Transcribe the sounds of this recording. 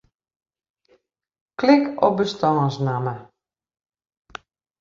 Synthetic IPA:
klɪkɔbəstɔːsnamə

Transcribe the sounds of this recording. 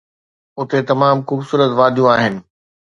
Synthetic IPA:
ʊt̪et̪ɐmaːmxuːbsuːɾət̪ʋaːd̪ʱijũaːɦɪnɪ̆

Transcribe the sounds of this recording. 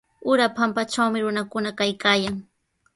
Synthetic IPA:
ʊɾapampat͡ʃawmɪɾʊnakʊnakajkaːjaŋ

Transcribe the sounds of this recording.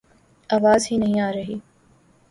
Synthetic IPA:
aːʋaːzɦinɐɦĩaːɾɐɦiː

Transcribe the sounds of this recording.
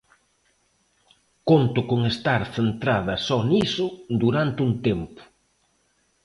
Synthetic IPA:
kont̪ʊkoŋest̪aɾθent̪ɾað̞ɐsɔnisʊd̪uɾant̪ɪuŋt̪empʊ̥

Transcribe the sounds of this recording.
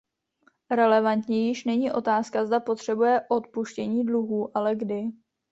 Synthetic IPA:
ɾɛlɛvant̪ɲijɪʃnɛɲiːʔo̞t̪aːskazdapo̞t̪r̝̥ɛbujɛʔo̞t̪̚puʃcɛɲiːdluɦuːʔalɛɡdɪ

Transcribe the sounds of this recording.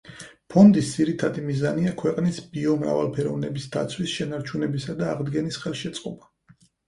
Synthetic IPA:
pʰɔnd̪isd̪ziɾit̪ʰad̪imizaniakʰwɛqʼnisbiɔmɾa̰va̰lˠpʰɛɾɔvnɛbisd̪a̰t̪sʰwisʃɛnaɾt͡ʃʰunɛbisad̪aːʁd̪ɡɛnisχɛlˠʃɛt̪sʼqʼɔba

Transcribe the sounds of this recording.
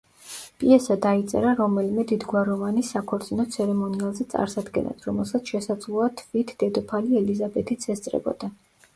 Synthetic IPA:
pʼiɛsad̪ait̪sʼɛ̰ɾaɾɔmɛlimɛd̪id̪ɡwaɾɔvanisakʰɔɾt̪sʼinɔt̪sʰɛɾɛmɔnialˠzɛt̪sʼa̰ɾsad̪ɡɛ̰na̰sʰɾɔmɛlˠsat̪sʰʃɛsad̪zlˠuat̪ʰvit̪ʰd̪ɛd̪ɔpʰaliɛlizabɛt̪ʰit̪sʰɛst̪sʼɾɛ̰bɔ̰d̪a

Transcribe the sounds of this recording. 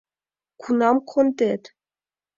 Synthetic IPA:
kʰunɑmkʰond̪et̪

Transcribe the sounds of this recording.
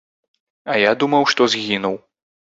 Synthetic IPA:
ɐjad̪umɐwʂt̪ɔzʲɣʲinuw

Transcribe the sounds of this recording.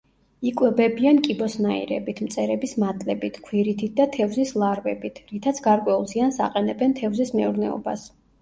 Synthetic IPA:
ikʼwɛbɛbiankʼibɔsnaḭɾɛ̰bit̪ʰmt̪sʼɛɾɛbismat̪ʼlɛbit̪ʰkʰwiɾit̪ʰit̪̚ʰd̪at̪ʰɛvzislˠaɾvɛbit̪ʰɾit̪ʰat̪sʰɡaɾkʼwɛulˠziansa̰qʼɛnɛbɛnt̪ʰɛvzismɛuɾnɛɔ̰ba̰s

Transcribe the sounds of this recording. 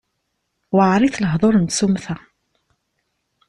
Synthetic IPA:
waʕɾˤiθləɦðˤoɾənt̪sumθæ

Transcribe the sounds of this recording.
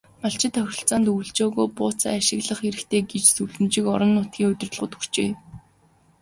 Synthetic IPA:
maɬt͡ɕɪ̆t̪ʰːœxʲɪ̆ɬt͡saːnt̪uːɮt͡ɕoːɣoːpʊːt͡sa̰ːaʃɪ̆ɣɮə̆χeɾɘ̆kt̪ʰeːɡet͡ɕsuɮɘ̆mt͡ɕĭkɔ̰ɾɞ̆nːʊːt̪̚ɡʲiːŋɵt̪ʲɪ̆r̆ɮʁʊ̰̆ːt̪xu̥r̥t͡ɕeː

